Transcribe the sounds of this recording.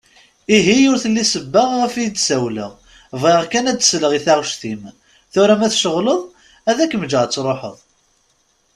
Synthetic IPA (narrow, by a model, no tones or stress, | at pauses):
iɦijʊɾθəlːisəbːəʁʁəfijəd̪sæwlə̰ʁ | vʁeʁkænæd̪ə̥sləʁiθaʁʃθim | θʊɾæmæθʃəʁləðˤ | æðækːmd͡ʒəʁt͡sːɾˤoħə̰ðˤ